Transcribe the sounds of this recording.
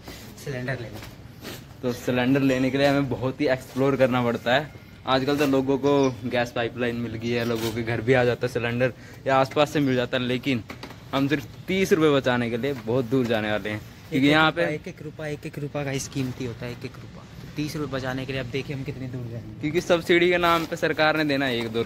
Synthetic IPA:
sɪlɛ̃ɳɖəɾleːne | t̪oːsɪlɛ̃ɳɖəɾleːnekelieɦɐmẽbɐɦʊt̪ɦieːksploːɾkɐɾnapɐɽt̪aɦɛː | aːd͡ʒkəlt̪̬oloːɡõkoɡɛːspaːɪplaːɪnmɪlɡəiɦɛloːɡõkeɡʱɐɾbʱiaːd͡ʒaːt̪aɦɛsɪlɛ̃ɳɖəɾ | jaaːspaːsːemɪld͡ʒaːt̪aɦɛleːkɪnɦɐmsɪɾft̪iːsɾʊpebɐt͡ʃaːnekeliebɔːʊt̪̚d̪uːɾd͡ʒaːneʋaːleɦɛ̃ː | kjjõːkijɐɦãpeːkeːkɾupaeːkekɾuːpakaiskiːmt̪iɦoːt̪aɦɛeːkekɾuːpat̪ot̪iːsɾʊpebɐt͡ʃaːnekelieɐb̚d̪eːkʰieɦɐmkɪt̪ned̪uːɾd͡ʒakjõːkisɐbsiɽikenaːmpesɐɾkaːɾned̪eːnaɛeːkd̪oː

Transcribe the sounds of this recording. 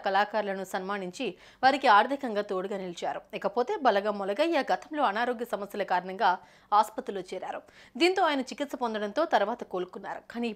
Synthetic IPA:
kɐlaːkaːɾlɐnusɐnmaːniɲt͡ʃi | ʋaːɾikiaːɾd̪ʱɐkɐŋɡaːt̪o̞ːɽuɡaːnilit͡ʃa̰ːɾuɛːkɐpo̞ːt̪e̞ːbɐlɐɡɐmːɔlɐɡɐjaːɡɐt̪ɐmlo̞ːɐnaːɾoːɡjɐsɐmɐsjɐlɐkaːɾɐɳɐŋɡaː | aːspɐt̪ɾuloːt͡ʃɛːɾa̰ːɾud̪iːnt̪o̞ːaːjɐnɐt͡ʃikit̪sɐpond̪ɐɽɐnt̪oːt̪ɐɾuʋaːt̪ɐko̞ːɾukunːaːɾukaːni

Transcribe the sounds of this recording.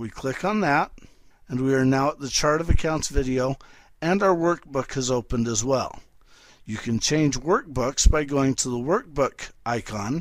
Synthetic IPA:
wikʰl̥ɪkn̩ðæt̚ | ɨ̃nwiə˞naʊət̪̚ðɨt͡ʃʰɑɹɾʌvɨkʰãʊ̃ntsvɪɾioʊ | ɨ̃naʊə˞wɜ˞k̚b̥ʊkhɨzoʊpə̃ndəzwɛ̰lˠ | jɨkʰɨ̃nt͡ʃʰẽɪ̃nd͡ʒwɜ˞k̚b̥ʊksb̥aɪɡoʊɪ̃ŋtʰəðəwɜ˞k̚b̥ʊkʔaɪkʰɑ̃n

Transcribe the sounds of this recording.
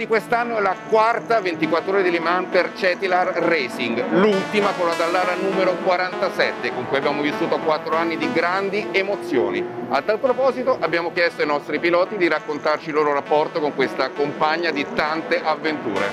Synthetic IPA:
d̪ikwest̪anːoɛlakwart̪avent̪ikwat̪ːɾoːɾad̪ilimanpert͡ʃɛt̪ilarːɛsiŋɡlult̪imakolːad̪alːaːɾanuːmeɾokwaɾant̪asɛt̪ːekoŋkujabjaːmovisːuːt̪okwat̪ːɾoanːid̪iɡɾand̪iemot̪sːjo̰ːniat̪ːalpɾopɔːzit̪oʔabːjaːmokjɛst̪oainɔst̪ɾipilɔːt̪id̪iɾakːont̪art͡ʃilːoːɾoɾapːɔrt̪okoŋkwest̪akompaɲːad̪it̪ant̪eʔavːent̪ṵːɾḛ

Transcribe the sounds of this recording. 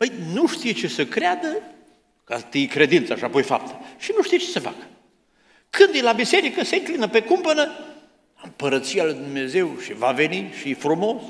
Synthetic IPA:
pəjnuʃt̪ijt͡ʃesəkɾead̪ə | kat̪ijkɾe̞d̪int̪saʃapojfa̰p̚t̪ʰə̥ʃinuʃt̪ijt͡ʃe̥səfa̰kə̥ | kɨnd̪elabise̞ɾikəseŋklinəpekumpənə | ɨmpəɾət̪sialujd̪umneze̞wʃivave̞niʃifɾumo̞s

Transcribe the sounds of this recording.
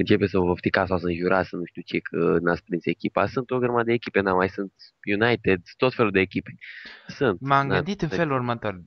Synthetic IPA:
ɨnt͡ʃe̞pesəvəft̪ikasawsəɨnʒuɾasənuʃt̪iuwt͡ʃe̞kʰə̰naspɾinse̞kʲipasɨnt̪o̞ɡəɾmad̪eːkʲipenamajsɨnt̪̚junajt̪ed̪t̪o̞t̪fe̞luld̪eːkʲipe̥sɨnt̪mamɡ̪ɨd̪it̪ɨnfelurmət̪or

